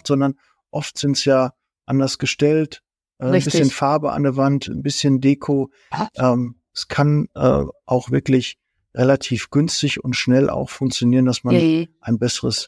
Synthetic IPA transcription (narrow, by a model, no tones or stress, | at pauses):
tz̥ɔndɐn | ʔɔftz̥ɪntsjaː | ʔandɐsɡ̥əʃtɛlt | ʔɛːɪbɪsçənfaɐbəʔa̰ndɛɐvantn̩bɪsçəndeːkʰoː | ʔɛːm | ɛskʰanʔɛ̰ːʔaʊxv̥ɪɐklɪç | ʁelatʰiːfɡ̥ʏnstɪçʊntʃnɛlʔa̰ʊxfʊŋk̚t͡sjoniːʁəndasmanʔaɪnbɛsəʁəs